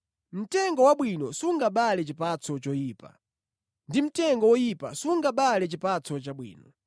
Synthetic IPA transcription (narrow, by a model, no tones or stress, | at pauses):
m̩tɛŋɡɔwaɓwinɔsuŋɡaɓalɛt͡ʃipat͡sɔt͡ʃɔjiːpa̰ | ndim̩tɛŋɡɔwɔjipa̰suŋɡaɓalɛt͡ʃipat͡sɔt͡ʃaɓwḭːnɔ